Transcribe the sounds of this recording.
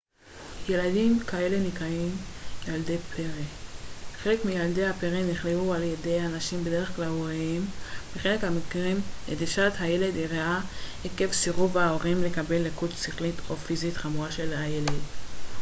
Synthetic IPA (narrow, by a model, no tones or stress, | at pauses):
je̞ladimkae̞le̞nikʁaimjalde̞pʰeʁeχe̞le̞kmijalde̞jhapeʁeniχleualjede̞janaʃimbe̞de̞eχklalueembeχe̞le̞khamikʁimediʃathaje̞le̞diʁeaeke̞fsiʁuvaoʁimle̞kabe̞lːekutsiχlitʰo̞fizit̪χamuʁaʃe̞lhaje̞led